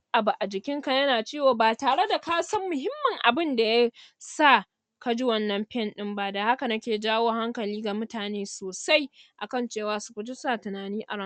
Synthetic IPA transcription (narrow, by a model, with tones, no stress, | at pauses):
ʔa˨bu˨ʔa˨d͡ʒɪ˨kʲɪ˦ŋkɐ˦˨jɐ˦naː˨t͡ʃeː˦woː˨baː˨taː˨ɽe˦da˨kaː˦sɐ˦mːʊ˨ɦɪ˦mːɐ˨ŋʔa˨bɪ˦nda˨ja˦sa˦˨ | kɐ˦d͡ʒɪ˦wɐ˦nːɐ˨mɸɛ˦˨nɗɪ˦mba˦da˨ha˦ka˨nɐ˦kʲeː˨d͡ʒaː˦woː˦ha˦ŋkɐ˨liː˦ɡa˨mʊ˦taː˨neː˦soː˨sa˦jʔa˨kɐ˦nt͡ʃeː˦˨waː˦sʊ˦kʊ˨d͡ʒɪ˦sa˦˨tʊ˨naː˨niː˦ʔa̰˨ɾɐ˦˨